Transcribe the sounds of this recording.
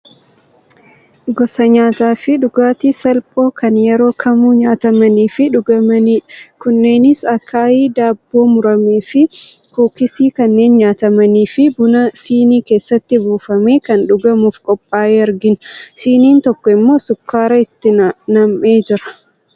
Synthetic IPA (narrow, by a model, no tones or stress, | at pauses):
ɡɔsɐɲaːt̪aːfɪᶑʊɡaːt̪isɐlpʼo̞ːkɐnjɛɾo̞ːkʰɐmuːɲaːt̪ɐmɐniːfɪᶑʊɡɐmɐniːᶑkʊnːe̞ːnɪsɐkʰːaːiːd̪aːbːo̞ːmʊɾɐmeːfɪ | kuːkɪsiːkɐnːe̞ːnɲaːt̪ɐmɐniːfɪbʊnɐsiːniːke̞ːsːɐt̪ːɪbuːfɐme̞ːkɐnᶑʊɡɐmuːfkʼɔpʼːaːʔeːɐɾɡɪnsiːniːnt̪ɔkːɔɪmːo̞ːsʊkːaːɾɐɪt̪ːɪnɐmʔeːd͡ʒɪɾɐ̥